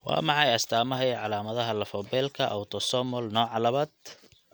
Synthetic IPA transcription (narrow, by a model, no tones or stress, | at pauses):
wɑ̰ːmɑʕɑjɐst̪ʰaːmɐɦɛjʕɑlaːmɐðɐɦɐlɐfɔːbɛːlkʰɐʔɐ̰wt̪ʰɔsɔːmɔlnɔːʕɑlɐβɐd̪